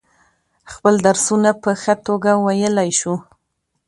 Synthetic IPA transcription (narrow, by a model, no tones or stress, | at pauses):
xpəld̪aɾsunapəxət̪oɡawajəlajʃu